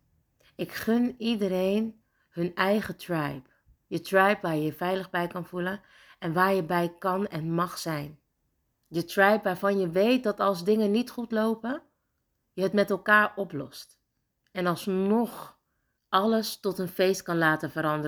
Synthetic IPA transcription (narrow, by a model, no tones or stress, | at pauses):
ɪkχʏnidəɾejn | hɵnɛjχətrɛjp | jətrɛjpʋaːɹjəvɛjləχbɛjkɑnv̥ulən | ɛnʋaːɹjəbɛjkɑnɛnmɑχsɛjn | dətrɛjpʋaːɹvɑnjəʋejt̚dɑtɑlˠzdɪŋənitχutlowpə | jəɦətmɛtɛlˠkaːɹʔɔplɔ̰st | ɛnɑlˠsnɔχ | ʔɑləstɔtənfejstkɑnlaːtənvəɾɑndərə